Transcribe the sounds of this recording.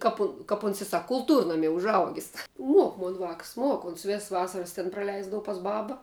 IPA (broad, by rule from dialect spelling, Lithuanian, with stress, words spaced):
ˈkɐp ʊ kɐp ʊns ɪ ˈsɐk kʊlˠˈtuːrnɐmʲiɛ ʊʒˈɐʊɡʲɪs ˈmuɔk ˈmoːn ʋɑːks ˈmuɔk ˈoːns ˈʋʲɛss ˈʋɑːsɐrɐs ˈtʲɪn prɐˈlʲɛɪzdɐʋɐ pɐs ˈbɑːbɐ